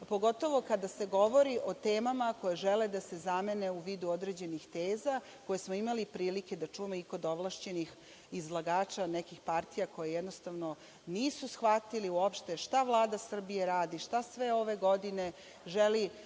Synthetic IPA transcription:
po̞ɡo̞t̪o̞ʋo̞kad̪ase̞ɡo̞ʋo̞ɾiʔo̞t̪e̞ːmamako̞jeʒeled̪ase̞zame̞ne̞uʋiːd̪uo̞d̪ɾed͡ʑe̞nixt̪eːza | ko̞jesmoimalipɾiːlike̞d̪at͡ʃujemoiko̞d̪oʋlˠaʃt͡ɕe̞nix | izlˠaɡaːt͡ʃanekixpaɾt̪ijako̞jejɛd̪nost̪aʋno̞ | niːsusxʋat̪iliuo̞pʃt̪e̞ʃt̪aʋlˠaːd̪asr̩bijeɾaːd̪iʃt̪asʋe̞o̞ʋe̞ɡo̞d̪ine̞ | ʒeli

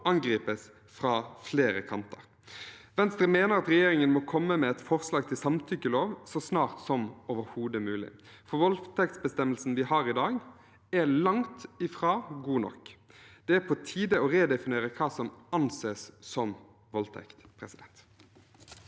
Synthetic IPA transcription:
ɑŋɡɾiːpəs | fʁɑːfleːɾəkʰɑnt̪əʁ | ʋɛnst̪ɾəmeːnəɾɑt̪ʁɛjeːɾɪŋənmɔkʰɔmːəmɛɛt̪fɔʁslɑːɡ̚t̪ʰɪlsɑmt̪ʰʏkːəloːʋsɔsnɑːʁt̪sɔmoːʋəɾhuːd̪əmʉːlɪ̰ | fɔʁʋɔlt̪ʰɛk̚t̪sbəst̪ɛmːəlsn̩ʋɪhɑːɾɪd̪ɑːɡ | ælɑŋt̪ɪfɾɑːɡuːnɔ̰kːd̪̥ɛæpʰɔt̪ʰiːd̪əɔʁeːd̪ɛfɪneːɾəkʰɑːsɔmɑnseːsːɔm | ʋɔlt̪ʰɛ̰kt̪pʰʁɛsɪd̪ɛnt̪

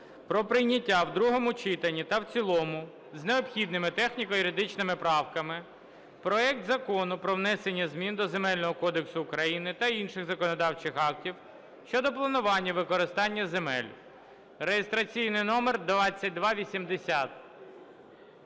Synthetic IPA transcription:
pɾɔpɾɪjnʲɐtʲːawd̪ɾuɦɔmʊt͡ʃɪt̪ɐnʲːit̪ɐwt͡sʲilˠɔmʊ | zneɔpxʲid̪nɪmɪt̪ɛxnʲikɔjʊɾʲɪd̪ɪt͡ʃnɪmɪpɾɑwkɐmɪ | pɾɔɛk̚t̪zɐkɔnʊpɾɔwnɛsenʲːɐzʲmʲind̪ɔzemɛlʲnɔɦɔkɔd̪eksʊːkɾɐjinɪt̪ɐinʃɪɣzɐkɔnɔd̪ɑwt͡ʃɪxɑk̚tʲiw | ʃt͡ʃɔd̪ɔplˠɐnʊʋɑnʲːɐʋɪkɔɾɪst̪ɑnʲːɐzemɛlʲ | rejest̪ɾɐt͡sʲijnɪjnɔmerd̪ʋɑt͡sʲːɐt̚ʲd̪ʋɑʋʲisʲimd̪esʲat̪

